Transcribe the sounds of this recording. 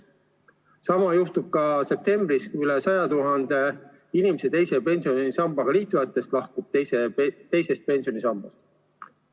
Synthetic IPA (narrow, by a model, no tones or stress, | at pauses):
sɑmɑjuht̪ub̥̚kɑse̞p̚t̪e̞mb̥riskuylesɑjɑt̪uɦɑnd̪e̞ | inimese̞t̪e̞jsepe̞nsio̞nisɑmbɑɡ̥ɑliːt̪ːˑujɑt̪ːˑe̞st̪lɑhkub̥̪̚eset̪e̞jse̞st̪̚pe̞nʲsijo̞nisɑmb̥ɑst̪